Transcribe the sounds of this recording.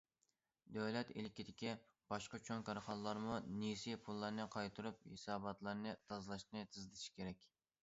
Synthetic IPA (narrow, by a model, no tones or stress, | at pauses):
d̪øwlɛt̪ilkʲid̪ɪkʲi | b̥ɑʃqɑt͡ʃʰoŋkʰɑɾχɑnlˠɑɾmunisipʰulˠːɑɾnɨqʰɑjt̪ʰɨɾup̚hesɑːbɑt̪lˠɑɾnɨt̪ʰɑzlˠɑʃnɨt̪ʰɨzd̪ɪʃi̥kʲeɾɛkʲ